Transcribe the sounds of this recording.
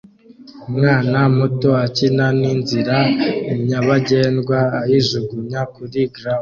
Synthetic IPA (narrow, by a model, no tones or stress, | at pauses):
umŋaːnamutoacinaninziɾaiɲaβaɟe̞ːnɡwaːjiʒuɡuɲakuɾiɡɾamo